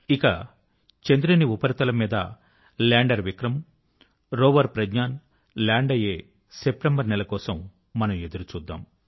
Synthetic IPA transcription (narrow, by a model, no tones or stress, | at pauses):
ikɐ | t͡ʃend̪ɾiniupɐɾit̪ɐlɐmiːd̪ɐ̰ | laːɳɖɐɾʋikɾɐm | ɾoːʋɐɾpɾɐd͡ʒɲaːn | laːɳɖɐjeː | sep̚ʈembɐɾnɛlɐkɔːsɐmː | ɐnɐme̞d̪uɾut͡ʃuːd̪ːa̰ːm